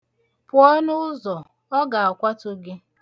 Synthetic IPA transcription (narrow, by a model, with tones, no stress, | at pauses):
pʊ˨ɔ˦nʊ˦ʊ˦zɔ˨ | ɔ˦ɡa˨a˨kʷa˦tʊ˦ɡɪ˦